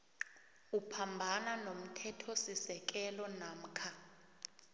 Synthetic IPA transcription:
upʰambʱananom̩tʰɛtʰɔsisɛk̬ʼɛlɔnam̩kʰa

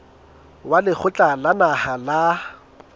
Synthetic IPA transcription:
walɪk͡xʰʊt͡ɬʼalanahala

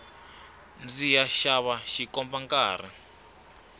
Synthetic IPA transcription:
nd͡zijaʃaβaʃikɔmbaŋkaːɾḭ

